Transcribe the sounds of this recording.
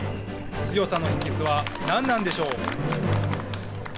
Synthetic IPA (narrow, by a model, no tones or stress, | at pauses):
t͡sɨjo̞sano̞çĩŋɡit͡sɨβanãnːãnd̪e̞ɕo̞ː